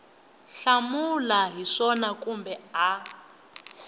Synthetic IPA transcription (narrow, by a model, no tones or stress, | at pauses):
ɬamulaɦiʂɔnakʼumbɛa